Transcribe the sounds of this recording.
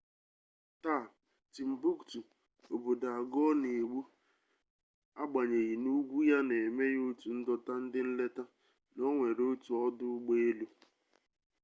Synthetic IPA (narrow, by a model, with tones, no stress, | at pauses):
taː˦˨ | ti˨m̩˨bu˦ktu˨ | o˨bo˨da˨ɡɔ˦ne˨ɡ͡bu˦ | a˦ɡ͡ba˨ɲe˨ɣi˨nu˦ɡʷu˦ja˦ne˨me˦jo˦tu˨n̩˦dɔ˦ta˦n̩˦dɪ˦n̩˦le˦ta˦ | no˦ŋʷe˨ɾo˦tu˨ɔ˦dʊ˦ɡ͡be˦e˦lu˦